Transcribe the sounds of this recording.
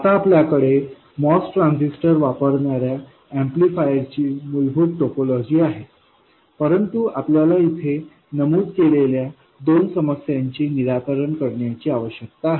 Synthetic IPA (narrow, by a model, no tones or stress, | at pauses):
at̪aːpljakəɽe | mɔsʈɾãnsisʈəɾʋapəɾɳaɾja | æ̃mplifajəɾt͡ɕiːmulbʱuːt̪ʈopolɔd͡ʑiːaɦe | pəɾənt̪uapljalait̪ʰe | nəmuːd̪kelelja | d̪onsəməsjaɲt͡ɕiːniɾat̪əɾəɳkəɾɳjat͡ɕiːaʋəɕjək̚t̪aːɦe